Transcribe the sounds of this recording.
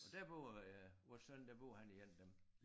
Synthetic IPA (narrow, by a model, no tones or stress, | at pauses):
ɒ̽d̥æɐb̥o̰ːɒsønd̥æɐb̥o̝̰ːhæniɡ̥en̰d̥em